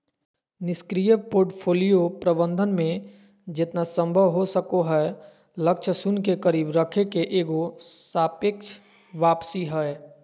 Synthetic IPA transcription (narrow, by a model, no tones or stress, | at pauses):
nɪskɾijəpoːɾʈpʰoːlijopɾəbə̃nd̪ʱənmẽ | d͡ʒɪt̪nasə̃mbʱəʋɦosəkoɦɛ | lək̚t͡ʃʰsʊnkekəɾiːbɾəkʰekeʔeːɡosaːpekt͡ʃʰ | ʋaːpsiɦɛe